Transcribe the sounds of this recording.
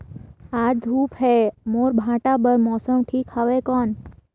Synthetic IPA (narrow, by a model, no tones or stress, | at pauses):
ad͡ʒd̪ʱupɦemoɾbʱãʈabəɾmɔsəmʈʰikhəʋekɔn